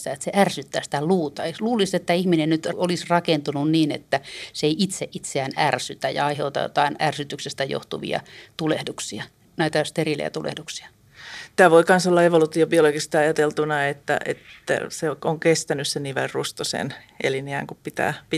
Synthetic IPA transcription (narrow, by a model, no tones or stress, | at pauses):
t̪æet̪seʔærsyt̪ːæːsi̥t̪æluːt̪ɑeluːliset̪ːæihminennyt̪olisrɑkent̪ununniːnḛt̪ːæseeiʔit̪seʔit̪seænærsyt̪æjɑ̰ɑiheut̪ɑ̰jo̰t̪ɑinærsyt̪yksest̪æjo̰ht̪uʋḭɑ̰t̪ulehduksiɑ | næit̪æst̪erilḛjæ̰t̪ulḛhduksiɑ̥ | t̪æːʋoikɑnsolːɑeʋolut̪iobioloɡist̪iɑjɑt̪elt̪unɑet̪ːæ̰ʔḛt̪ːæ̰seoŋkest̪ænyssenniʋerrust̪osḛn | ʔḛliniæŋkuppit̪æ̰ːpi